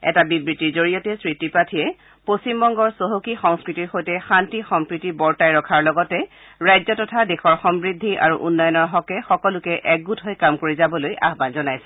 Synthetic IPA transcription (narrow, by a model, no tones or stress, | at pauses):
ɛ̰tabibɹitiɹzoɹijɔtɛsɹitipɹatʰijɛ | postimbɔŋɡɔɹsoɦokixɔŋskɹitiɹxojtɛxantixɔmpɹitibɔɹtajɹɔkʰaɹlɔɡɔtɛ | ɹajzɔtɔtʰadexɔɹxɔmbɹidʱːiʔa̰ɹuʔunːɔjɔnɔɹɦɔkɛxɔkɔlʊkɛʔɛk̚ɡutɦojkamkoɹizabɔloja̰ɦbanzɔnajsɛ̥